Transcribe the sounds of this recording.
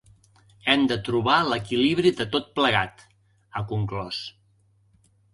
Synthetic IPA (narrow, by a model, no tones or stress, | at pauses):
ɛmd̪ət̪ɾuβaləkiliβɾiðət̪ot̪̚pləɣat̪ | əkuŋklɔs